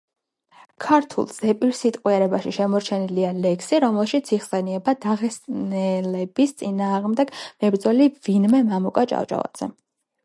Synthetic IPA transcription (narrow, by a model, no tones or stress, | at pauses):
kʰaɾt̪ʰṵlˠsɛpʼilsit̪ʼqʼwiɛɾɛbaʃiʃɛmɔɾt͡ʃʰɛnilialɛkʰsiɾɔmɛlˠʃit̪sʰiχsɛniɛbad̪aʁɛsʼnɛlɛbist̪sʼinaːʁmd̪ɛɡ̥mɛbɾd̪zɔlivinmɛmamukʼat͡ʃʼa̰wt͡ʃʼa̰va̰d̪z̥ɛ̰